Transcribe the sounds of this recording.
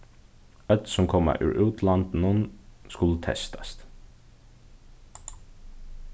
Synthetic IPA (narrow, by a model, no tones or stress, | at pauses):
œt̪sʊmkʰɔːma̰ʔʉ̰ɹʔʉːt̪lant̪nʊnskʊlət̪ʰɛ̰st̪ḁst̪